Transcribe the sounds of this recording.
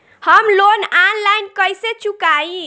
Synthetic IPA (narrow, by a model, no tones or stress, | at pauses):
həmlonanlajnkəjset͡ʃukaĩ